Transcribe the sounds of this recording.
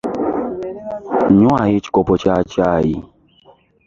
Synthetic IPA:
ɲũajit͡ʃkɔpɔt͡ʃat͡ʃaji

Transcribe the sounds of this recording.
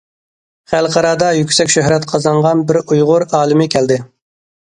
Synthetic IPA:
χælˠqʰɑɾɑːd̪ɑjykʲsɛkʲʃøɦɾɛt̪qʰɑzɑɴʁɑnbɪɾujʁʊɾɑːlˠɪmɪkʲʰɛld̪ɪ

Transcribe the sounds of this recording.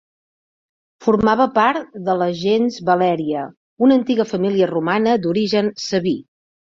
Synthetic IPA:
fuɾmaβəpaɾt̪d̪ələʒenzβəlɛɾiə | unənt̪iɣəfəmiliərumanəd̪uɾiʒənsəβi

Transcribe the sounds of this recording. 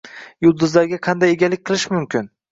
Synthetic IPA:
jʊlˠd̪ʊzlaɾɡʲaqʰɑnd̪ajeɡʲalɪk̚ʲqɨlˠɪʃmʊmkʲɪn

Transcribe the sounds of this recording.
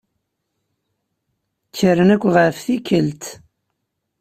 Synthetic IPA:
t͡sːəɾənækʷːʁəfθikːəlt̪

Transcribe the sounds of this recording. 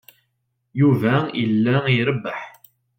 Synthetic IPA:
juvæilːæiɾəbːəħ

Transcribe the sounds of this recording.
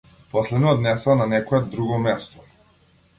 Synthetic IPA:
pɔslɛd̪nɔd̪nɛsananɛkɔɛd̪ɾuɡɔmɛst̪ɔ̥

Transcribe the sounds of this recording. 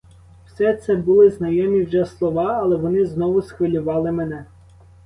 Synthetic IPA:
w̥sɛt̪sɛbʊlˠɪznɐjɔmʲiwʒɛslˠɔʋɑɐlˠɛʋɔnɪznɔʋʊsxʋɪlʲʊʋɑlˠɪmenɛ

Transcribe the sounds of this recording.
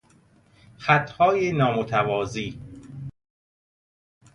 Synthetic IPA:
xæt̪ʰhɒːjenɒːmot̪ʰævɒːziː

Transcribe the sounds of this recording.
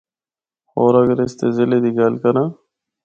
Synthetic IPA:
xoːɾaɡɾest̪ezɪled̪iɡaːlkɐɾã

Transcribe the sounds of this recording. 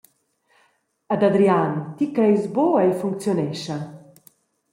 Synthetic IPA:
ad̪ad̪ɾiant̪ikɾɛjzboajfuŋk̚t͡sjonɛʃɐ

